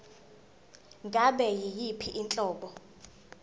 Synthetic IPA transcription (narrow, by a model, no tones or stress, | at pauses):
ŋɡʱaɓɛjijipʰiʔint͡ɬʼɔːɓɔ